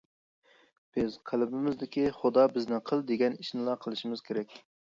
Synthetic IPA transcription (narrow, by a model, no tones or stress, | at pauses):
b̥ɪz̥qʰælɪbɪmɪzd̪ɪkʲiχʊd̪ɑbɪznɪqʰəlˠd̪eɡʲɛniʃnɨlˠɑqʰəlˠɨʃimɪz̥kʲʰeɾɛkʲ